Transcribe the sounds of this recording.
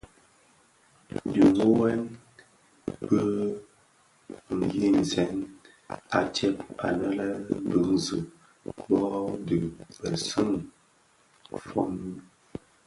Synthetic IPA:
di˨ŋ˨u˦wɛ˦n | bə˦ | ŋ̩˨ji˦˨n̩˨zɛ˨˦n | a˨tɛ˦p̚a̰˨nə˦lə˦bɨ˨˦ŋzɨ˨ | bɔ˦dɨ˨bə˨sɨ˦ŋ | fɔ̰˦m˦

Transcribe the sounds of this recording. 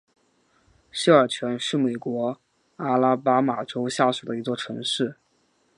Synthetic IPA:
ɕi˥˩ə˞˨˩t͡ɕʰɥɛ˧˥nʂɻ̩˥˩me˨˩ɪkwɔ˧˥ | a˥la˥pa˥ma˨˩ʈ͡ʂo˥ʊɕja˥˩su˨˩d̪ə˦i˧˥t͡swɔ˥˩ʈ͡ʂʰɤ˧˥ŋʂɻ̩˥˩

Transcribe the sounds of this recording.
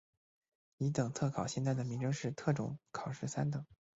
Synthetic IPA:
i˧˥t̪ɤ˨˩ŋt͡sʰɤ˥˩kʰɑ˨˩ʊɕjɛ˥˧nt̪t͡s̬a˥˩ɪd̪ə˩mi˧˥ŋʈ͡ʂɤ˥ŋʂɻ̩˥˧t̪ʰɤ˥˩ʈ͡ʂʊ̰˧˥ŋkʰɑ˨˩ʊʂɻ̩˥˩sa˥nt̪ɤ˨˩˦

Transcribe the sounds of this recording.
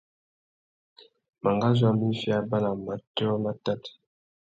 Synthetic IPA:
ma˨ŋɡa˦zwa˦mi˦fi˦a˦ba˦la˨ma˨tɔ˦ma˦ta˦˨t

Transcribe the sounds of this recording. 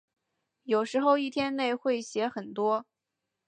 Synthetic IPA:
jo˨˩ʊʂɻ̩˧˥xo˥˧ʊi˥˩t̪ʰjɛ˥nne˥˧ɪxwe˥˩ɪɕjɛ˧˥xə˨˩nt̪wɔ˥

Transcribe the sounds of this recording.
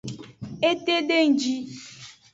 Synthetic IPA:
e˦t̪e˦ɖe˦˨n̩˨d͡ʒi˦

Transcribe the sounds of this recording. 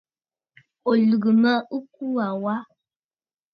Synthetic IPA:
o˨lu˨ɡɨ˨ma˦ʔu˦k̚u˦a˨wa˦

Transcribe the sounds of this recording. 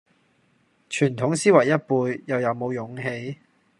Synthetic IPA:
t͡ʃʰyː˨˩nt̪ʰʊ˨˥ŋsiː˥wɐ˨˩jːɐ˥t̚puː˧jːɐ˨wjɐ˨˧wmo˨˧wjʊ˨˥ŋɦe˨˧j

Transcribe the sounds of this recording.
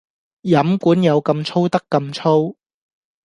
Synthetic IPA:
jɐ˨˥mkuː˨˥njɐ˨˧wkɐ˧mt͡ʃʰo˥wt̪ɐ˥kːɐ˧mt͡ʃʰo˥w

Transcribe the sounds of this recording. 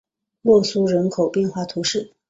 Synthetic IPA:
lwɔ˥˩su˥ɻə˧˥nkʰo˨˩ʊpjɛ˥˧nxwa˥˩t̪ʰu˧˥ʂɻ̩˥˩

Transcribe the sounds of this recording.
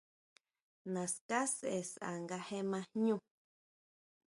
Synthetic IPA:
nã˨ska˦se˨sa̰˨ŋɡa˧he˦mã˧ɲũ˦

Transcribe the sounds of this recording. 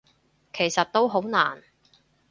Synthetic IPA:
kʰe˨˩jsɐ˨t̚t̪o˥wɦo˨˥wna̰ː˨˩n

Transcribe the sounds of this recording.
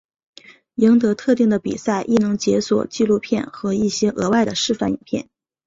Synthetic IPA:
ji˧˥ŋt̪ɤ˧˥t̪ʰɤ˥˧t̪i˥˩ŋd̪ə˩pḭ˨˩sa˥˧ɪʔi˥˩nɤ˧˥ŋt͡ɕjɛ˧˥swɔ̰˨˩t͡ɕi˥˧lu˥˧pʰjɛ˥˩nxɤ˧˥i˥˩ɕjɛ˥ʔɤ˧˥wa˥˩ɪd̪ə˩ʂɻ̩˥˧fa˥˩nḭ˨˩npʰjɛ̰˥˩n

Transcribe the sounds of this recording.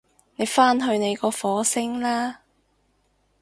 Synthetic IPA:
ne˨˧jfaː˥nɦɵ˧ɥne˨˧jkɔː˧fɔː˨˥sɪ˥ŋlaː˥

